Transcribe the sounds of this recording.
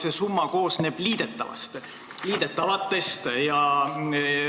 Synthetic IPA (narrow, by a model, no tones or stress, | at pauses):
sesumːɑko̞ːsne̞ːb̥liːd̪̥e̞t̪ːˑɑ̰vɑ̰st̪ | liːd̪̥e̞t̪ːˑɑvɑt̪ˑːe̞st̪jɑ